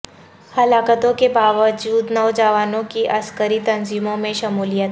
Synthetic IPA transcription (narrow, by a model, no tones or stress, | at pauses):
hɐlaːkət̪õkebaːʋəd͡ʒuːd̪nɐʋd͡ʒaːʋaːnõkiʔɐskəɾit̪ɐnziːmõmẽʃɐmuːlijət̪